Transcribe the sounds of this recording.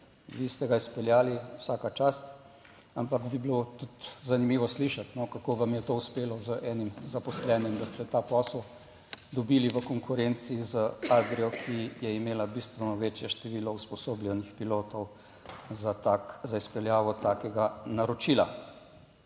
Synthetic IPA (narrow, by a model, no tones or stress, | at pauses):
ʋist̪ɛɡaispɛljaːliwsaːkat͡ʃast̪ | ampakbibilot̪ut̪zanimiːʋɔsliʃat̪nɔkakoːʋamjɛt̪ouspeːlɔzəʔɛːnimzapɔslɛnjɛmd̪ast̪ɛt̪aːpɔsəl | d̪ɔbiːliʋəkɔŋkuɾent̪siːzəaɡ̪ɾiɔkʰijɛimeːlabist̪ʋɛnɔʋeːt͡ʃjɛʃt̪ɛʋiːlɔuspɔsoːblʲjɛnixpiloːt̪ɔw | zaazaispɛljaːʋɔt̪aːkɛɡanaɾɔt͡ʃiːla̰